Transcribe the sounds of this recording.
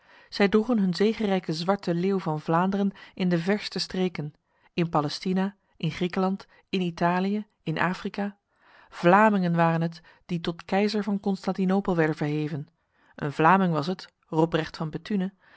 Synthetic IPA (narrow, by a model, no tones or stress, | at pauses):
z̥ɛjdruχənɦɵnzejχərɛjkəzʋɑɹtəleːwvɑnvlaːndərənɪndəvɛɹstəstreːkən | ɪnpalɛstina | ʔɪnχrikəlɑnt | ɪnitaːlijə | ɪnʔa̰ːfrikaː | v̥laːmɪŋənʋaːrənɦət | d̥itɔtkɛjzəɹvɑnkɔnstɑntinowpəlˠʋɛɹdənvəɹɦejvən | ʔə̰nvlaːmɪŋʋɑsɦət | rɔprɛχtfɑnbətʰynə